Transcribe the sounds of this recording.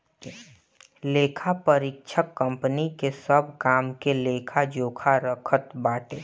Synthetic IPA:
leːkʰapəɾɪkt͡ʃʰəkːə̃mpənikesəbʱkaːmkeleːkʰad͡ʒoːkʰaɾəkʰət̪baːʈeː

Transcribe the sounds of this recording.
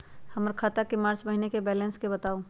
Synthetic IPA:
hɐməɾkʰaːt̪akemaːɾt͡ʃbɐɦinekebɛːlɛ̃nskebɐt̪aːo

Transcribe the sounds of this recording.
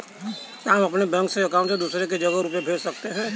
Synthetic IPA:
ɦamɐpnebɛ̃ŋkseɐkaːʊɳʈsed̪uːsɾek̬ed͡ʒɐɡəɾup̬ebʱeːd͡ʒsɐkt̪eɦɛ̃ː

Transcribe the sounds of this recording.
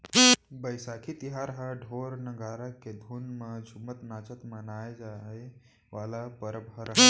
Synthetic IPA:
bəjsakʰit̪iɦaɾɦaɖʱoɾnəɡaɾakːed̪ʱuːnməd͡ʒʱumət̪nat͡ʃət̪mənajd͡ʒae | ʋalapəɾəbɦəɾɦ

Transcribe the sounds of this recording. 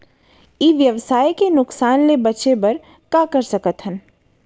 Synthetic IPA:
iːʋjəʋsaːjkenʊksaːnlebət͡ʃebɐɾ | kakəɾsəkət̪ɦən

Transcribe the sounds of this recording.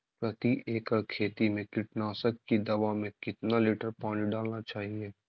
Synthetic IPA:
pɾɐt̪iʔeːkəkʰeːt̪imẽkɪʈnaːsəkːid̪ɐʋamẽkɪt̪nalɪʈəɾpɔ̃ʊ̃nt͡ʃɖaːlnat͡ʃaːɦie

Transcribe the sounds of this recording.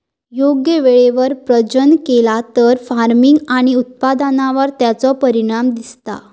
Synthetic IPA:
joɡjəʋeɭeʋəɾpɾəd͡ʑənkelat̪əɾfaɾmiŋɡaɽ̃iut̪̚pad̪anaʋəɾt̪jat͡sɔpəɾiɽ̃amd̪ist̪a̰

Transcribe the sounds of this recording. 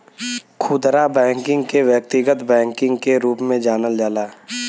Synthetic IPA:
kʰʊd̪ɾabɛ̃ːŋkɪ̃ŋɡkewjək̚t̪ɪɡət̪bɛ̃ːŋkɪ̃ŋɡkeɾuːpmẽd͡ʒaːnəld͡ʒaːlaː

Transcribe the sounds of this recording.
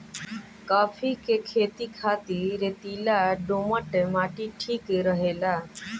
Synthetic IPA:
kafiːkekʰet̪iːkʰat̪iɾet̪ilaɖoməʈemaʈiːʈʰiːkeɾəɦela

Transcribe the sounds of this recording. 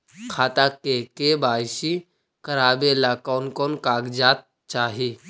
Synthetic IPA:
kʰaːt̪akekebaːjsi | kəɾaːbelakɔːnkɔːnkaːɡd͡ʒaːt̪̚ | t͡ʃaːɦi

